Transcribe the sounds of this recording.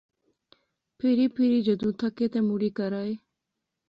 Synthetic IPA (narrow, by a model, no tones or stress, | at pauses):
pʰɪɾiːpʰɪɾiːd͡ʒəd̪ũːt̪ʰəkeːt̪eːmuɽiːkəɾaːeː